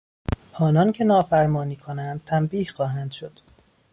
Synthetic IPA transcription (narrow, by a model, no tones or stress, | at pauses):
ʔɒːnɒːncʰe̞nɒːfæɾmɒːniːkʰonænd̪̚t̪ʰæmbiːhxɒːɦænd̪̥ʃod̪̥